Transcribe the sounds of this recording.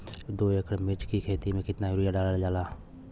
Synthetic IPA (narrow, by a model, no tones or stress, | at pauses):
d̪oːekʰɽmɪt͡ʃkikʰeːt̪imẽkɪt̪najʊɾɪjaɖaːlald͡ʒaːlaː